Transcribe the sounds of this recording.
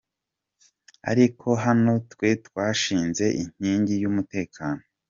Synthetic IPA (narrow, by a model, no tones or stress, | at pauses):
a̰ɾikʰo̞ɦano̞twetwaːʃiːnze̞ʔiɲ̥iːɲɟijumute̞ːkʰaːno